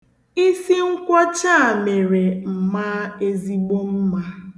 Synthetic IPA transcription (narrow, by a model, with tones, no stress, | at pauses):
i˦si˦ŋ̩˦kʷɔ˦t͡ʃa˦˨me˨ɾe˨m̩˨ma˦e˦zi˦ɡ͡bo˦m̩˦ma˦